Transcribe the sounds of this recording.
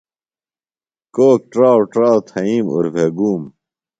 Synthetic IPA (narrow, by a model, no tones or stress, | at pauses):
koːk̚ʈɾaːwʈɾaːwt̪ʰɐiːmṵɾbʱeɡuːm